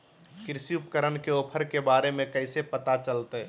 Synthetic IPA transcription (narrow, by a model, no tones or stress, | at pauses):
kɪɾsiupəkəɾənkeoːpʰəɾkebaːɾemẽkəɪsepət̪at͡ʃəlt̪e